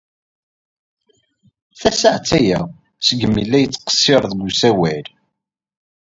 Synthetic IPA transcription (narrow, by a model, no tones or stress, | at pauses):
θæsəʕt͡sːæjæ | səɡəmilːæjət͡sːqə̥sːɪɾˤðɡusæwæl